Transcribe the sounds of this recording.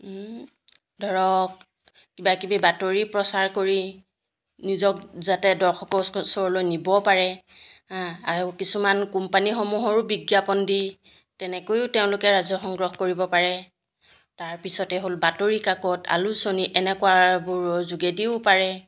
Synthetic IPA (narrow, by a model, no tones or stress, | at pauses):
dʱɔɹɔk̚ | kibakibibatoɹipɹɔsaɹkoɹi | nizɔk̚zatɛdɔɹxɔkɔsɔɹlojnibɔpaɹɛ | aɹukisumankumpanixomuɦɔɹʊbiɡjapɔndi | tɛnɛkojʊtɛʊ̃lʊkɛɹazɔxɔŋɡɹɔxkoɹibɔpaɹɛ | taɹpisɔtɛɦolbatoɹikakɔta̰lusoniʔɛnɛkʊabʊɹzuɡɛdiʊpaɹɛ